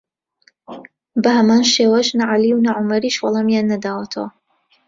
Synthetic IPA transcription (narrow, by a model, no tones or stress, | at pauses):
bɐhɐmaːnʃeːwɐʒnɐʕaliwnɐʕʊmɐɾiːʃwɑlˠɑmjanːɐd̪aːwɐt̪ʰɐwɐ